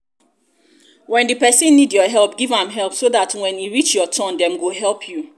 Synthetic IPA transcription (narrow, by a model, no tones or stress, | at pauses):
wɛ̃ndipɛsĩnːidjɔɦɛlˠp̚ɡivãmɦɛlˠpsoðatwɛ̃njuɹit͡ʃjɔtʰɔ̃ndɛ̃mɡoɦɛlˠpʰju